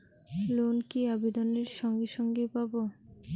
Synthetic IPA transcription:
lonkiabed̪ɔneɾʃɔŋɡeʃɔŋɡepabo

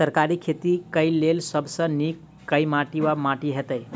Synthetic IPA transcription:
səɾkaɾikʰet̪ikəɪlːelsəbsə̃nikː | əjmaʈiwamaʈiɦet̪əɪ

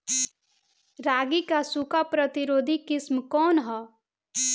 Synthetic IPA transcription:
ɾaːɡikasʊkapɾət̪iɾoːd̪ʱikɪsmkɔːnɦɔ

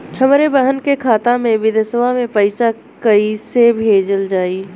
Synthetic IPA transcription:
hɐmɾebəɦənkekʰaːt̪ãmẽʋɪd̪ʱəsəʋamẽpəɪsa | kɐisebʱeːd͡ʒəld͡ʒaːiː

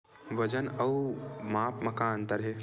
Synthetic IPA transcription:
ʋɐd͡ʒənɐwmaːpmɐkaːnt̪ɐɾɦe

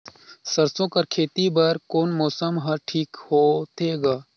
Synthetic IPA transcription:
səɾsõːkɐɾkʰeːt̪ibɐɾkoːnmɔːsəmɦɐɾʈʰiːkhoːt̪ʰeːɡaː

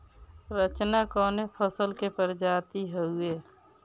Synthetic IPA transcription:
ɾət͡ʃnakɔːnepʰəsəlkepəɾd͡ʒaːt̪iɦəɦʊeː

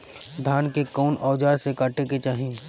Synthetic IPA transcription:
d̪ʱaːnkekɔːnɔːd͡ʒaːɾsekaːʈeket͡ʃaːɦĩ

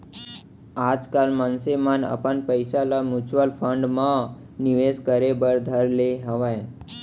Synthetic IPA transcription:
ad͡ʒkalmansemanə̰pənpəjsalamjut͡ʃʋəlpʰə̃ɳɖmã | niʋeskəɾebəɾd̪ʱəɾleɦəʋaj

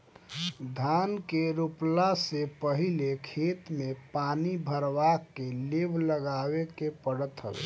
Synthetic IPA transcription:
d̪ʱankeɾuplasepəɦilekʰet̪mepanibʱəɾbakːelebʱləɡawekepəɽət̪ɦəbḛ

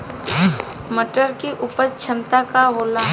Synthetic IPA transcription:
məʈəɾkiʔuːpəɾt͡ʃʰə̃nt̪akaɦoːla

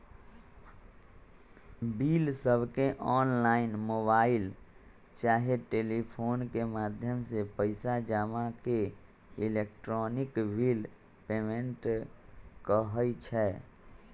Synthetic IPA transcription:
bilsəbʱkeʔɔːnlaːɪnmoːbaːɪl | t͡ʃaːɦeʈeːlipʰoːnkemaːd̪ʱjəmsepəɪsad͡ʒaːmake | ɪlekʈɾɔːnɪkbiːl | peːmẽɳʈ | kəɦəjt͡ʃʰɛː

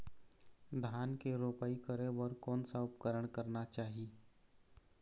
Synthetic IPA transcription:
d̪ʱaːnkeɾoːpaːikəɾebəɾkɔːnsaʊpkəɾəɽ̃kəɾnat͡ʃaːɦi

